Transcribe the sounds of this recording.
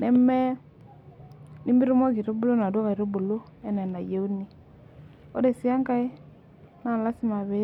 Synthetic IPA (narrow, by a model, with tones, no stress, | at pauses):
nɛ˦mɛ˦ | ni˦mbi˦ɾo˦mɔ˦ki˨ɾo˦bu˦lo˦na˨dwɣa˨i˨ɾo˦bu˨lo˦ | ɛ˦nɛ˨na˨je˦u˦ni˨ | o˦ɾe˨si˦a˦ŋka˦e˦ | na˨la˦si˦ma˨βe˦